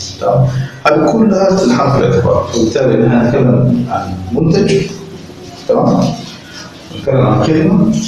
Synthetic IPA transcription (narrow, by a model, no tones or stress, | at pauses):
t̪amahalkʊlːat̪ɪnħafɪlʔɪ̰t̪bɑ̰ːɾwɪbɪt̪ːaːliʔnːahanat̪kalːamʕa̰nmʊnt̪ad͡ʒ | t̪amaːm | wnɪt̪kalːamʕa̰lxɪlma